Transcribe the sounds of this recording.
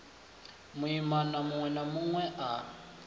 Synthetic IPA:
muimanamuŋwɛnamuŋwɛʔa

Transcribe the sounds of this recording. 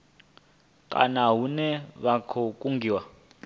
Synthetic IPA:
kʼa̰naɦunɛβakʰɔkʼuŋɡiːwa

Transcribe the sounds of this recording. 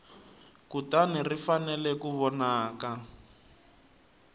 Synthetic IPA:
kutanirifanɛlɛkuβɔnaːka

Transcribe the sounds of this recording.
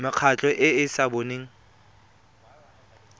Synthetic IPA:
mɪq͡χʰat͡ɬʼɔʔɪɪsaboneːŋ̩

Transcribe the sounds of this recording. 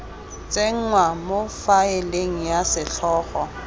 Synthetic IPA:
t͡sʼeŋ̩ŋwamofaeleŋ̩jasɪɬʰɔːχɔ

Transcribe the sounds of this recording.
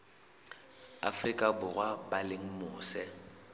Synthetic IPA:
a̰frikʼabʊrwabalɪŋ̩mʊːsɛ

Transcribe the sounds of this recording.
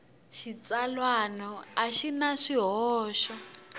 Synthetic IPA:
ʃit͡salwanɔaʃinaʂiɦɔɔːʃɔ

